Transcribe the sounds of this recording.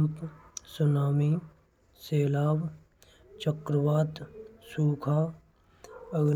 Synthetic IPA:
mpsʊnaːmiː | seːlaːb | t͡ʃəkɾəʋaːt̪suːkʰa | əɡ

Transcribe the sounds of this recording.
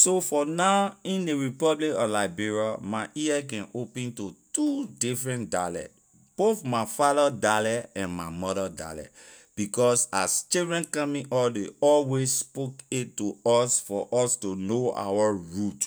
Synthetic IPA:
sofɔnaʊĩndeɹipɔblikɔlaɪbiɹiamaʔiɛk̬ɛ̃nʔopɛ̃ntutudifɹɛ̃ntdalɛ̰ | b̥oθmaɪfadadalɛɛ̃nmaɪmɔdada̰lɛ̰ | b̥ikɔsast͡ʃildɹɛ̃nkãmĩʔɔldeɔlwesspoketuɔsfɔ̰ʔɔstonoa̰waɹut

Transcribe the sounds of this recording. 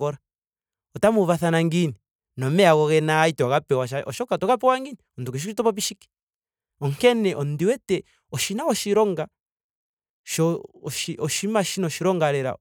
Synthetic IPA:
kɔɾa | ɔtamuvaθanaŋɡini | nɔmɛaɣɔɣɛnaitɛwaɣapɛwaʃaɔʃɔkatɔkapɔwaŋɡiniɔndukiʃ̬iʃitɔpɔp̬iʃiki̥ | ɔŋkɛnɛʔɔndiwɛtɛ | ɔʃinaɣɔʃiɾɔŋɡa | ʃɔʃiʔɔʃimaʃinɔʃiɾɔŋɡaɾɛɾa̰

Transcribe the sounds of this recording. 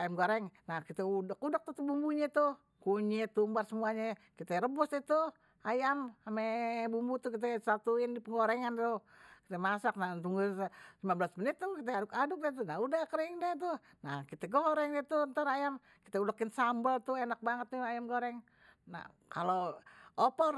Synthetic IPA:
ajamɡoɾɛŋnahkit̪ɛudakudak̚t̪uht̪ubumbuɲat̪u | kuɲɛt̪umbarsəmuaɲakit̪ɛɾəbɔsdit̪u | ajamamɛbumbut̪ukit̪ɛsat̪uɪndipəŋɡoɾɛŋant̪ukit̪ɛmasak̚nat̪uŋɡulimabəlasmənit̪ːukit̪ɛadʊkadʊk̚dɛt̪̬unaudakəɾiŋdɛt̪̬u | nakit̪ɛɡoɾɛŋɛt̪uənt̪aɾajam | ki̥t̪ɛudəkɪnsambəlt̪uenak̚baŋət̪ːuajamɡoɾɛŋ | na̰ | kaloɔpɔr

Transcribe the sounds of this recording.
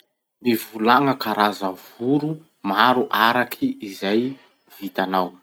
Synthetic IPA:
mivulaŋəkaɾazavuɾu | maɾuʔaɾakʰiizaj | v̥it̪anaw

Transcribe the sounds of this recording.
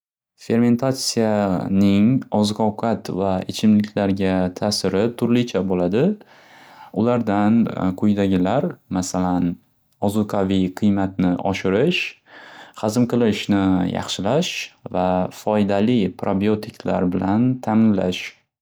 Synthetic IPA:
fe̞ɾme̞nt̪ʰat̪sijanɪŋɒzqʰɒwqʰɑt̪vaɪt͡ʃʰɪmlɪkʲʰlaɾɡʲat̪ʰaːsɪɾɪt̪ʰʊɾlɪt͡ʃʰabolad̪ɪ | ʊlaɾd̪anqʰʊjd̪aɡʲɪlaɾmasalan | ɒzʊqʰaviqʰɨjmat̪̚nɪʔɒ̰ʃɪɾɪʃ | χɑzɨmqʰɨlˠɪʃnɪjɑ̰χʃɪlaʃvafɒjd̪alɪpʰɾabiot̪ʰɪkʰʲla̰ɾbɪlant̪ʰamɪnla̰ʃ

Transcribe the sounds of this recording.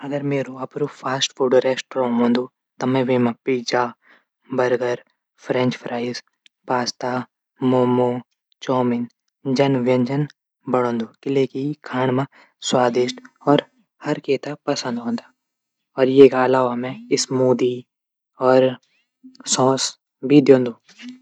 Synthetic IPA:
ɐɡəɾmeːɾoɐpɾupʰaːsʈfuːɖɾeːsʈːɾɔ̃ːɦõːnd̪oː | t̪ɐmɛ̃ʋeːmãpiːd͡ʒaː | bɐɾɡəɾ | pʰɾɛ̃ɲt͡ʃpʰɾʔaːɪz | paːst̪aː | moːmoː | t͡ʃɔːmɪn | d͡ʒɐnʋjɐ̃ɲd͡ʒən | bɐɽ̤̃õːnd̪oːkɪlekikʰaːɳ̃mã | swaːd̪ɪʃʈɔːɾ | hɐɾkeːt̪apɐsə̃nd̪ɦõːnd̪a | ɔːɾjekaɐlaːʋamẽɪsmuːd̪i | ɔːɾ | sɔ̃ːs | bʱid̪jõːnd̪oː

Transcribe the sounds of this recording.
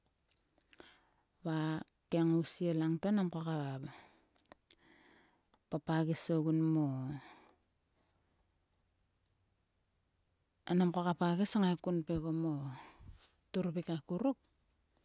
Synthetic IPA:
βa | keŋausielaŋtonamkokaβaβa | papaɡisoɡunmo | anamkokapaɡesaŋaekunpe̞ɡomo | tuɾupikakuɾuk̚

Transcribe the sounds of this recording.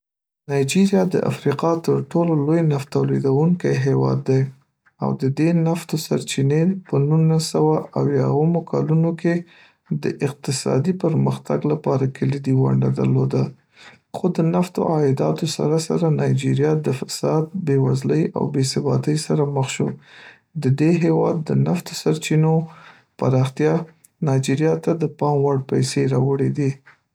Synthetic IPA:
nɑjd͡ʒiɾjɑd̪ə̰ʔa̰fɾiqɑt̪əɾʈololojnaft̪awled̪awuŋkajɦewɑ̰d̪ːaj | a̰wd̪əd̪enaft̪osa̰ɾt͡ʃinepənunasawaʔawjaəmokʰɑlunoke | d̪ə̰ʔɪq̚t̪ɪsɑ̰d̪ipəɾməxt̪aɡlapɑɾakəlid̪iwa̰ɳɖad̪aɾlod̪a | xod̪ənaft̪o̰ʔɑɪd̪ɑt̪osa̰ɾasaɾanɑjd͡ʒiɾjɑd̪əfḁsɑd̪̚bewazləja̰wbesɪbɑ̰t̪əjsaɾaməxʃo | d̪əd̪eɦewɑd̪ːənaft̪o̥saɾt͡ʃino | pa̰ɾɑxt̪jɑ | nɑjd͡ʒiɾjɑt̪ad̪əpɑmwaɽpajseɾɑwəɽed̪i

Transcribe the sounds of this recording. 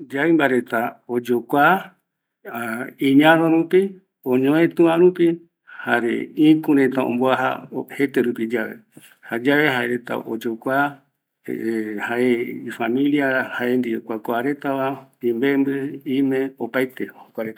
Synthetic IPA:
d͡ʒaimbaɾe̞t̪aod͡ʒokʷa | ĩɲãnõɾũpi | õɲõẽt̪ɨ̃ãɾũpi | haɾḛĩkuɾet̪aõ̰mboaɦa̰he̞t̪eɾupid͡ʒaʋe̞̰ | had͡ʒaʋe̞ɦaeɾe̞t̪a̰ʔo̰d͡ʒokʷa̰ | haʔeifamĩliahaʔe̞nd̪iokʷakʷoaɾe̞t̪aβaĩmbembɨimẽ̞opajt̪ehokʷaɾet̪a

